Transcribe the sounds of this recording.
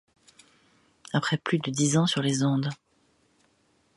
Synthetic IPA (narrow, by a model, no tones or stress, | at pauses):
apχɛplyd̪əd̪izɑ̃syʁlezɔ̃d̪